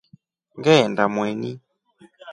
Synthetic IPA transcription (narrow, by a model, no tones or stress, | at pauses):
ŋɡɛɛndamwɛni